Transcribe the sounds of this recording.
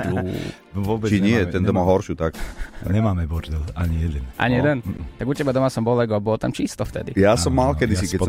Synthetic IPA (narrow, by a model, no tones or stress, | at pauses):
u | ɔbɛt͡ʃiɲɪɛt̪ɛnd̪ɔmaɦɔɾʃuːt̪ak̪aɲɛmaːmɛbɔɾd̪ɛlaɲijɛd̪ɛnʔa̰ɲijɛd̪ɛnt̪aɡucɛbad̪ɔmasɔmbɔlɛɡɔabɔlt̪amt͡ʃist̪ɔft̪ɛ̰d̪ḭjasɔmːalkɛd̪isikɛc̪̚